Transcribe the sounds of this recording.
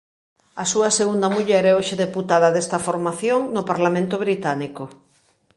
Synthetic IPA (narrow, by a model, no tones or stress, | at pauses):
ɐsuɐseɣund̪ɐmuʎɛɾɛoʃeðeput̪að̞ɐðest̪ɐfoɾmaθjoŋnʊpaɾlamẽnt̪ʊβɾit̪aniko